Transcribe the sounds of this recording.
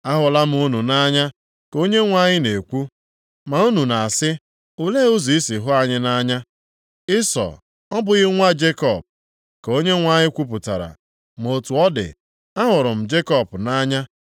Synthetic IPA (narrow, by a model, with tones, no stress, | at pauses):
a˦ɦʊ˨la˦m̩˦u˦nu˨na˦ɲa˦ | ko˦ɲe˦ŋʷa˦˨ɲɪ˦ne˨kʷu˦ | ma˨u˦nu˨na˨a˨sɪ˦ | ʊ˦le˦o˦zi˨i˦si˨ɦʊ˦a˨ɲɪ˦na˦ɲa˦ | ɪ˦sɔ̰˨ | ɔ˦bʊ˨ɣɪ˦ŋʷa˦d͡ʒe˦kɔ˨p̚ | ko˦ɲe˦ŋʷa˦˨ɲɪ˦kʷu˦p̬ʊ˨ta̰˨ɾa̰˨ | m̩˨o˨tu˨ɔ˦dɪ̰˨ | a˦ɦʊ˨ɾʊ˨m̩˨d͡ʒe˦kɔ˦pna˦ɲa˦